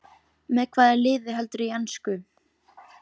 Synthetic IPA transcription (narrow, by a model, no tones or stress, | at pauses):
mɛðkʰvaːðɪɾlɪːðɪɦɛlt̪ʏɾianskʏ